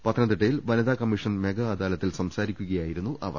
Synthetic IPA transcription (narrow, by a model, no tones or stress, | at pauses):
pɐt̪ʰːɐnɐnd̪iʈːɐjilʋɐnɐd̪aːkɐmːiʂɐnme̞ɡɐːd̪aːlɐt̪ːilsɐmsaːɾikʲːuɣɐjaːjiɾunːuʔʔɐʋɐ̰r